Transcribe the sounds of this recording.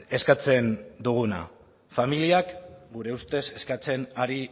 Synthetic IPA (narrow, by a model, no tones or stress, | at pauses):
e̞skat͡se̞nd̪uɣ̞una̰ | familiakɡuɾe̞ust̪e̞se̞skat͡se̞naɾi